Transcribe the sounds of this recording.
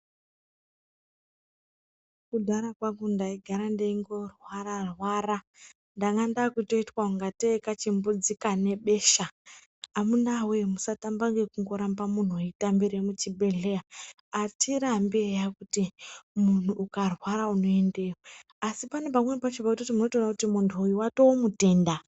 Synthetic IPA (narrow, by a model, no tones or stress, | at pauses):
kudʱaɾakwakundaiɡʱaɾandeiŋɡo̞rwaɾarwaːra | ndaŋɡandakuto̞itwauŋɡateekat͡ʃimbud͡zikane̞ɓe̞ʃa | amunawemusatambaŋɡe̞kuŋɡo̞ɾambamun̤uaitambiɾemut͡ʃiɓe̞ɮe̞ja | atʰiɾambejakutimun̤uʔukarwaɾauno̞e̞nde̞jo | asipane̞p̬amwenepat͡ʃibakutotimuno̞toonakutimuntʰuujuwato̞omute̞ːnda